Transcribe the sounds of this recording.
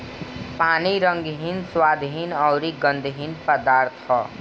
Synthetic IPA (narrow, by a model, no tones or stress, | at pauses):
paniɾʌŋɡɦinswad̪ʱɦinʌwɾiɡʌnd̪ʱɦinpəd̪aɾt̪ʰʌ